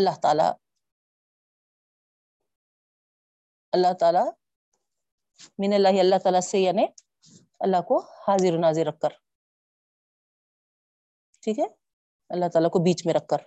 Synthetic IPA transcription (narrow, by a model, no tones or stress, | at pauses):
ɐlːaɦt̪a̰ːla̰ | ɐlːaht̪aːla | mɪnɐlːaːɦiɐlːaht̪aːlasejane | ɐlːahkohaːziɾunaːziɾɐkːɐɾ | ʈʰiːke | ɐlːaht̪aːlakobiːt͡ʃmeɾɐkːɐɾ